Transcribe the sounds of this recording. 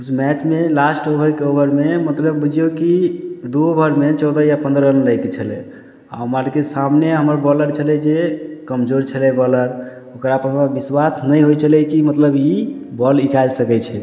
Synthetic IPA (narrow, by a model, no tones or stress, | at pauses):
usmɛt͡ʃmelasʈobʱəɾkeobəɾmemət̪ləbːud͡ʒʱijokid̪uobʱəɾmet͡ʃɔʊd̪əjapə̃nd̪ɾəənləjket͡ʃʰəlɛ̰ | a̰ɦəmaɾkesamneɦəməɾbɔləɾt͡ʃʰəlɛd͡ʒekəmd͡ʒoɾt͡ʃʰəlɛbɔləɾ | okɾaəpənabiswasnəjɦojt͡ʃʰəlɛkimət̪ləbibɔlikajlsəkɛt͡ʃʰɛ